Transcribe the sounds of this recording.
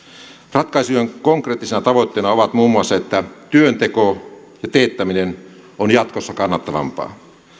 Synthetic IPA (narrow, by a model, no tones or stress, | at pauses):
rɑt̪kɑisujeŋkoŋkreːt̪ːisenɑt̪ɑʋoit̪ːeːnɑoʋɑt̪muːmːuɑsːɑet̪ːæt̪yønt̪ekojɑt̪eːt̪ːæminen | onjɑt̪kosːɑkɑnːɑt̪ːɑʋɑ̰mpɑ̰ː